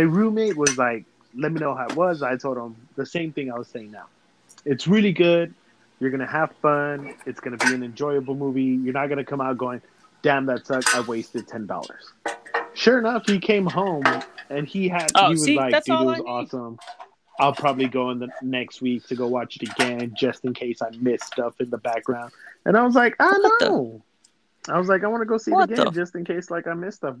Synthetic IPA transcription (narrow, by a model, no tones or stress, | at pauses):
ɨɹʉmeɪt̚wʌzlaɪk̚ | lɛt̚minoʊɦaʊɨt̚wʌzaɪtʰoʊlˠdə̃m | ðɨsẽɪ̃mθɪ̃ŋaɪwʌz̥seɪɪ̃ŋna̰ʊ | ɨtsɹɪlˠiɡʊd̥̚ | jə˞ɡʌnɨæv̥fʌ̃nɨtsɡ̥ʌnɨbiɨ̃nɨ̃nd͡ʒɔɪɨbl̩ˠmuvijə˞nɨt̚ɡ̥ʌnɨkʰʌ̃maʊt̚ɡ̥oʊɪ̃ŋ | d̥æ̃mðɨtsʌkaɪweɪstɨd̚tʰɛ̃ndɔ̰lˠə̰˞z̥ʃʊɹɨnʌfhikʰẽɪ̃mɦõʊ̃mɨ̃niɨdiwʌzlaɪkɪwʌzɔsə̃m | aɪlˠpʰɹ̥ɑbəbliɡoʊɨ̃nðɨnɛkst̚wik̚tʰɨɡoʊwɑt͡ʃðɨɡæ̃nd͡ʒʌstɨ̃nkʰeɪsaɪmɪstʌfɨ̃nðəbæk̚ɡ̥ɹãʊ̃nd̥̚ʔɨ̰̃ñaɪwʌzlaɪkoʊnoʊ | aɪwʌzlaɪkaɪwɑnɨɡoʊsiɨɡæ̰̃d͡ʒʌstɨ̃nkʰeɪslaɪkaɪmɪstʌf